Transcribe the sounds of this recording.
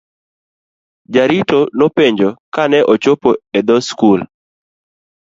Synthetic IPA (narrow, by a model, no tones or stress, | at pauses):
d͡ʒaɾitonopeɲd͡ʒokanɛʔɔt͡ʃopoed̪ɔskul